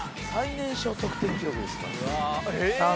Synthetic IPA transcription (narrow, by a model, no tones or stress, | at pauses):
sainẽ̞ɰ̃ɕo̞ːt̪o̞kɯ̟̥t̪ẽ̞ŋkʲiɾokɯd̪eska̰ | a